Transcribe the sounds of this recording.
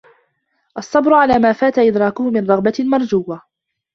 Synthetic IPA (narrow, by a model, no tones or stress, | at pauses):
ʔɑsˤːɑbɾʊʕalaːmaːfaːt̪aʔɪd̪ɾˤɑːkʊhʊmɪnɾˤɑɣbamɑɾˤd͡ʒuːwːa